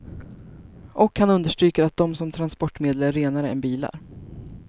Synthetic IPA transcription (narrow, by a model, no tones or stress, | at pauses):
ʔɔkhanɵnd̪əʂʈɾyːkəɾat̪̚d̪ɔmsɔmt̪ʰɾanspɔʈːmeːd̪ləɾːeːnaɾəɛ̰nbiːla̰ɾ